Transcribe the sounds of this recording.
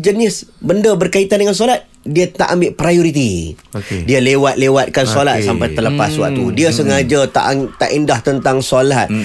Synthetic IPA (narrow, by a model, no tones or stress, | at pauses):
d͡ʒənɪsbəndəbərkait̪andəŋans̬olat̪̚ | diət̪a̰ʔambɪʔpɾajoɾit̪̬i | dialewat̪̚lewat̪̚kansolat̪̚sampajt̪ələpaswa̰k̚t̪udiəsəŋad͡ʒat̪a̰ʔt̪aʔindaht̪ənt̪aŋsolat̪̚